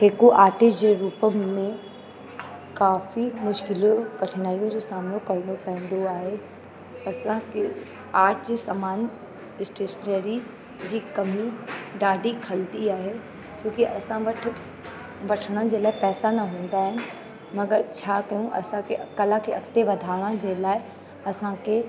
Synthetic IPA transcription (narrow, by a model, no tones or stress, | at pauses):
ɦeːkoʔaːʈɪd͡ʑeɾuːpəmẽ | kaːfimʊʃkɪlokɐʈʰɪnaːijõd͡ʑosaːmnokɐɾnopɛ̃ɦnd̪oaːɦe | ɐsãke | aːʈʰd͡ʑisɐmaːn | ɪsʈeːʃəneːɾi | d͡ʑiːkɐmiɖaːɖikʰɐlt̪iaːɦe | t͡ɕõːkiʔɐsãʋɐʈʰ | ʋɐʈʰəɽ̃ənd͡ʑeːlaːɪpɛːsanɐɦũːn̆d̪aːɦɪnɪ̆ | mɐɡəɾt͡ɕʰaːkɐjũʔɐ̰sãkʰekɐlakʰeɐkt̪eʋɐd̪ʱaːɽ̃əd͡ʑeːlaːɪ | ɐsãkʰe